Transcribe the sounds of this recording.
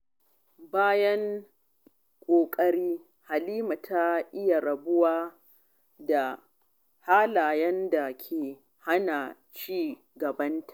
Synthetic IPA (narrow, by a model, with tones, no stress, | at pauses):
baː˦jɐ˦ŋ | kʷʼoː˨kʼɐ˦ɽiː˦ | ha˨liː˦ma˨tʰa˦ʔɪ˦ja˨ɾɐ˨bʊ˦waː˦ | da˨ | haː˦laː˨jɐ˦nda˨kʲʰeː˨ | ha˦na˨ | t͡ʃiː˦ | ɡɐ˨bɐ˦ntʰḁ˨ʔ